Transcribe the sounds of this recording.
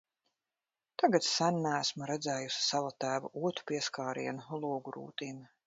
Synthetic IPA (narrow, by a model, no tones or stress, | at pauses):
t̪aɡat̪ssænnææsmuɾɛd̪zɛːjusi̥savat̪æːvṵʔuɔt̪u̥piɛskaːɾḭɛnulˠuɔɡuɾṵːt̪iːm